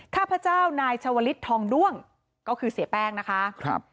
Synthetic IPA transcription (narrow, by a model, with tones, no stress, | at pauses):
kʰaː˥˩pʰɾa˧˥t͡ɕaː˥˩wnaː˧jt͡ɕʰa˧wa˧li˦˥t̪ʰːɔː˧ŋdu˥˩əŋ | kɔː˥˩kʰɯː˧si˨˩˦əpɛː˥˩ŋna˦˥kʰa˦˥ʔkp̚